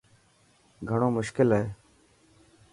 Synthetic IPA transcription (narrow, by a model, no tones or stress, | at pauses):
ɡʱəɳoːmʊʃkɪlɦeː